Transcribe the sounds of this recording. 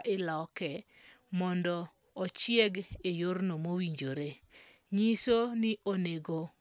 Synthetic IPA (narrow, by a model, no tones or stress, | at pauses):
ʔɪlɔkɛ | mɔndɔː | t͡ʃjɛɡejornomowiɲd͡ʒoɾe | ɲisonɪʔoneɡo